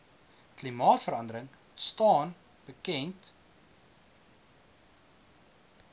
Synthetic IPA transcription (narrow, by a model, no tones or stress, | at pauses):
klimɑːtfəɾɐndəɾəŋ | stɑːn | b̥əkɛnt